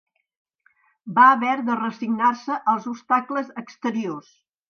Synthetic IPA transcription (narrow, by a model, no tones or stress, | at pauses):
baəβɛɾðərəsiɡnarsəʔəlˠzupst̪akləzəkst̪əɾios